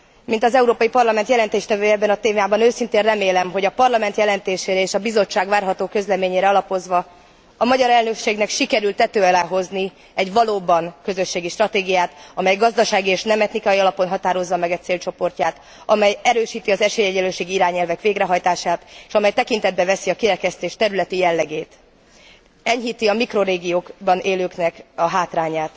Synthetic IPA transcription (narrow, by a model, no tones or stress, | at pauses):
mint̪ɒzɛuɾoːpɒjipɒrlɒmɛnt̪jɛlɛnt̪eːʃt̪ɛvøːɛbːɛnɒt̪eːmjaːbɒnøːsint̪eːnrɛmeːlɛmɦo̞ɟɒpɒrlɒmɛnt̪jɛlɛnt̪eːʃeːɾɛeːʃɒbizo̞t͡ʃːaːɡʋvaːrɦɒt̪oːkø̞zlɛmeːɲeːɾɛɒlɒpo̞zʋɒ | ɒmɒɟɒɾɛlnøkʃeːɡnɛkʃikɛɾylt̪ɛt̪øːɒlaːɦo̞zni | ɛɟʋɒloːbɒnkøzø̞ʃːeːɡiʃt̪rɒt̪eːɡijaːt̪ɒmɛjɡɒzd̪ɒʃaːɡieːʃnɛmɛt̪nikɒjiɒlɒpo̞nɦɒt̪aːɾo̞zːɒmɛɡɛt̪seːlt͡ʃo̞po̞rcaːt̪ | ɒmɛjɛɾøːʃiːt̪iɒzɛʃeːjɛɟɛløːʃeːɡiiɾaːɲɛlvɛkʋeːɡɾɛɦɒjt̪aːʃaːt̪eːʃɒmɛjt̪ɛkint̪ɛd̪̚bɛvɛsiɒkiɾɛkɛst̪eːʃt̪ɛɾylɛt̪ijɛlːɛɡeːt̪ | ɛɲɦiːt̪iɒmikro̞ɾeːɡijoːkbɒnʔeːløːknɛkɒɦaːt̪raːɲaːt̪